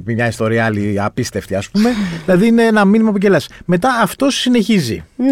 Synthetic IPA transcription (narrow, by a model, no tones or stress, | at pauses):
pimɲɐist̪o̞ɾiɐɐliɐpist̪e̞ft̪iɐspume̞ðilɐðiine̞enɐminimɐp̬uɟelɐsme̞t̪ɐːft̪o̞sːine̞çizḭ